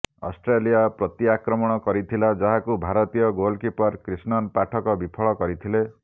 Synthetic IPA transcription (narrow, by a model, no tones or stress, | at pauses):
ɔ̰sʈɾelijapɾɔt̪jakɾɔmɔɽ̃ɔkɔɾit̪ʰilad͡ʒaɦakubʱaɾɔt̪ijɔɡolkipɔɾkɾisnɔnpaʈʰɔkɔbipʰɔɭɔkɔɾit̪ʰile